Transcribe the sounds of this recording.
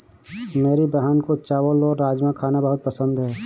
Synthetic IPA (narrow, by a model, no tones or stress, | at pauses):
meːɾibɐɦaːnkot͡ʃaːʋəlɔːɾːaːd͡ʒmãkʰaːnabɐɦʊt̪̚pɐsə̃nd̪ɦɛː